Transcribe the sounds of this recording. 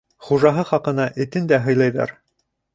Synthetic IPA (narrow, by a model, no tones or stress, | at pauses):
χuʒɑɦɤχɑqɤ̆nɑʔɘ̆t̪ɘnd̪æɦɤ̆jlˠɑjðɑ̰ɾ